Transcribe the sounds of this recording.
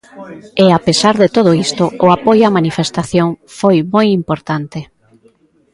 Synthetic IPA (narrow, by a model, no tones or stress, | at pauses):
ɛapesaɾðet̪oð̞ʊist̪ʊʊapojoamanifest̪aθjoŋfojmojimpoɾt̪ant̪ɪ